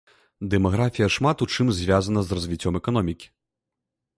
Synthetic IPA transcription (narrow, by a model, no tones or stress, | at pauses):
d̪ɛmaɣɾafʲijɐʂmat̪ut͡ʂɨmzʲvʲazɐnɐzrɐzʲvʲit͡sʲːɔmɛkanɔmʲikʲi̥